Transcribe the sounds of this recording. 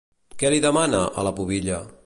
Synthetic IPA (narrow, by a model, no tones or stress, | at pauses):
kɛliðəmanəʔə̰ləpuβiʎə